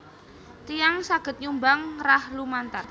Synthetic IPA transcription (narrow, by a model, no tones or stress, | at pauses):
t̪ijaŋsaɡ̥ə̤t̪̚ɲumbaŋrahlumant̪ar